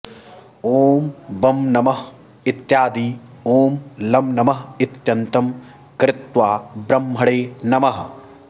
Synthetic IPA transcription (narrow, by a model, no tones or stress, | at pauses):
oːmbɐmnɐmɐɦ | ɪt̪jaːd̪iː | oːmlɐmnɐmɐɦɪt̪jɐnt̪ɐm | kɾɪt̪ʋaːbɾɐmːɦɐɽeːnɐmɐɦ